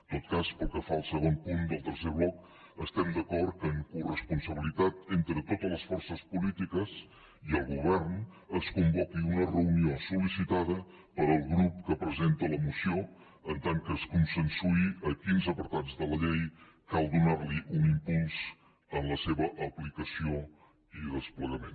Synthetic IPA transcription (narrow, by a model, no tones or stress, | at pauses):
t̪ot̪̚kaspəlˠkəfaəlˠsəɣ̞onpund̪əlˠt̪əɾseɾβlɔk | əst̪ɛmd̪əkɔɾt̪̚kəŋkurəspunsəβ̞ilit̪at̪ent̪ɾət̪ot̪ələsfɔɾsəspulit̪ikəs | iəlˠɣuβɛrn | əskumbɔkiunərəuniosulisit̪aðə | pəɾəlˠɣɾupkəpɾəzent̪ələmusio | ənt̪aŋkəskunsənsuiəkinzəpəɾt̪ad͡zðələʎej | kalˠd̪unarliʔunimpulˠz̥ | ənləseβəʔəplikəsio | iðəspləɣəmen